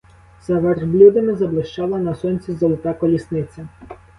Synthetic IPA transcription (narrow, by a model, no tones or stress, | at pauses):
z̥ɐʋerblʲud̪ɐmɪzɐblˠɪʃt͡ʃɑlˠɐnɐsɔnʲt͡sʲizɔlˠɪt̪ɑkɔlʲisnɪt͡sʲɐ